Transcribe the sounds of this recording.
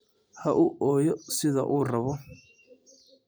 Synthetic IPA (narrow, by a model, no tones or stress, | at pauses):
hɐʔʊʔɔːjɔsɪðɐ̰ʔuːrɐβɔ